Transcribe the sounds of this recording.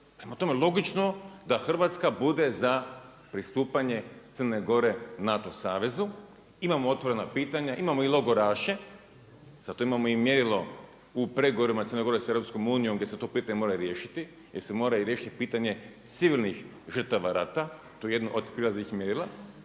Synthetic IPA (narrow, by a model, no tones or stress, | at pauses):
pɾe̞mat̪o̞me̞lˠo̞ɡit͡ʃno̞d̪axr̩ʋat̪skabud̪e̞za | pɾist̪uːpaɲe̞t̪sərne̞ɡo̞ɾe̞nat̪o̞saːʋe̞zu | imamoo̞t̪ʋo̞ɾe̞napiːt̪aɲaʔimamo̞ilˠo̞ɡo̞ɾaːʃe̞ | zat̪o̞imamo̞imje̞ɾilo̞ | upɾe̞ɡoʋoɾimat̪ərneɡo̞ɾesevɾo̞psko̞muːnijo̞mɡdʲjʲe̞set̪o̞piːt̪aɲemo̞ɾaɾje̞ːʃi̥t̪i | jeɾse̞mo̞ːɾaɾjeːʃi̥t̪ipiːt̪aɲe̞ | t̪siʋilnix | ʒrt̪aʋaɾat̪a | t̪oje̞d̪nuʔod̪pɾilazixmjeɾilˠa